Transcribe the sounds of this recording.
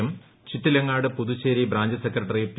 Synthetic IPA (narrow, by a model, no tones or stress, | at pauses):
um | t͡ɕit̪ːilɐŋːaːɽɨpuðut͡ɕːeːɾibɾaːɲd͡ʑɐsekrɐʈːɐrijep